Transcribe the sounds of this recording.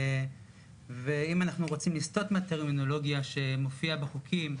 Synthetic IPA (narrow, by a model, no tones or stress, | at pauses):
ve̞imanaχnuʁo̞t͡simlist̪o̞t̪meat̪eʁmino̞lo̞ɡjaʃe̞mo̞fiabeχukʰim